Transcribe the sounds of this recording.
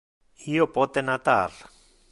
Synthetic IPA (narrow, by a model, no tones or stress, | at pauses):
ijopɔt̪enat̪a̰r